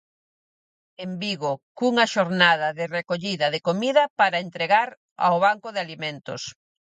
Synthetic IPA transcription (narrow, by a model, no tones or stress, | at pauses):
embiɣokuŋɐʃoɾnaðɐðɪrekoʎiðɐðɪkomiðɐpaɾaent̪ɾeɣaɾ | a̰oβaŋkʊðealimẽnt̪o̰s